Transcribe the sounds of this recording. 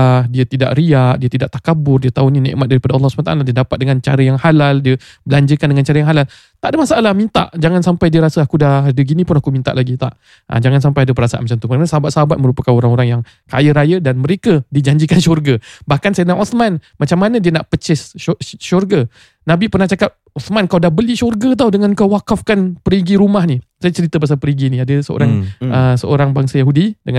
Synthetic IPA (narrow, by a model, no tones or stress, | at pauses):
hdiət̪ida̰ʔriaʔdiət̪idaʔt̪akabʊrdiət̪auninɛ̰ʔmat̪̚daɾipadaɑlːɔhsəmət̪a̰ʔaladiədapat̪̚dəŋant͡ʃaɾəjaŋhalaldiə | bəlaɲd͡ʒəkandəŋant͡ʃaɾəjaŋɦalal | t̪aʔdəmasaʔalahmint̪a̰ʔd͡ʒaŋansampajdiəɾasəakudahadəɡinĩpʊnakumint̪a̰ʔlaɡit̪a̰ʔ | ʔa̰d͡ʒaŋans̬ampajadəp̬ərasaa̰nmat͡ʃamt̪umənənasəɦabat̪̚səɦabat̪̚mə̃ɾupakanoɾaŋoɾaŋjaŋ | ka̰jəɾajədanməɾekədid͡ʒaɲd͡ʒikanʃɔrɡəbahkansajanaʔɔt̪manmat͡ʃamːanədiənaʔpət͡ʃɪsʃɔrɡə | nabipərnaht͡ʃakap̚ɔt̪mankawdahbəliʃɔrɡət̪̬awdəŋankawːakafkanpəɾiɡiɾumaɦnisajat͡ʃəɾit̪əpas̬alpəɾiɡiniadəsəo̰ɾaŋəsəo̰ɾaŋbaŋsajaɦudidəŋa